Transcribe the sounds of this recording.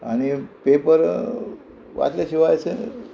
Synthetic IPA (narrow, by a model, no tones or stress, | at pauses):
a̰ɽ̃ipepəɾ | ʋa̰t̪laɕiʋajt͡se